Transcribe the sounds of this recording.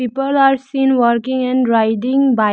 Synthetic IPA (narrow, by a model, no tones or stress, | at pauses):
iːpəlaːɾsĩnʋəɾkɪ̃ŋɛ̃ɳɖɾaɪʈɪ̃ŋba